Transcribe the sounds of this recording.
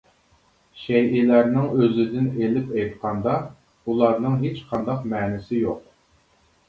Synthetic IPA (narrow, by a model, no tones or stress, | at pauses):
ʃɛjʔɪlæɾnɪŋøzɪd̪ɪnelɪpɛjt̪qʰɑnd̪ɑ | ulˠɑɾnɨŋɦet͡ʃqʰɑnd̪ɑqmɛːnɪsɪjoq̚